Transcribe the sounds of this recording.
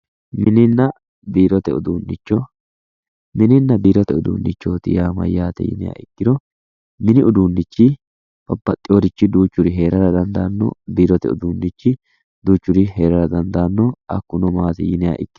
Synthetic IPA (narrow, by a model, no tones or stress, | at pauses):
mɪnɪnːɐ | biːɾɔt̪ɛʊ̰d̪uːnːɪt͡ʃːɔ | mɪnɪnːɐbiːɾɔt̪ɛʊd̪ṵːnːɪt͡ʃːoːt̪ɪ̰jaːmɐ̰jːaːt̪ɛ̰jɪ̰nɛja̰ːɪkːɪd̪ɔ | mɪnɪʊd̪uːnːɪt͡ʃːɪ | b̥ɐbːɐt̪ʼːɪoːɾɪt͡ʃːɪd̪uːt͡ʃːʊɾɪɦe̞ːɾɐɾɐd̪ɐnd̪aːnːɔ̰biːɾɔt̪ɛʊ̰d̪uːnːɪt͡ʃːɪ | d̪uːt͡ʃːʊɾɪɦe̞ːɾɐɾɐd̪ɐnd̪anːɔɐ̰kːʊnɔmaːt̪ɪjɪnɛja̰ːʔɪkːɪ